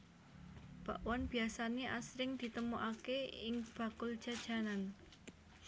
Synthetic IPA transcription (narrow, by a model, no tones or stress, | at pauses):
b̥aʔwanb̥i̤asaneʔa̰sɾɪŋd̪̥i̤t̪əmuʔakeɪŋb̥a̤kʊld̥ʒ̥ä̤d̥ʒ̥a̤nan